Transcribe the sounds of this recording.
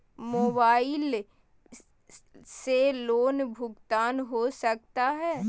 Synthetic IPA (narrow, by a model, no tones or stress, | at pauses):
moːbaːɪl | seloːnbʱʊɡt̪aːnɦosɐk̚t̪aɦɛː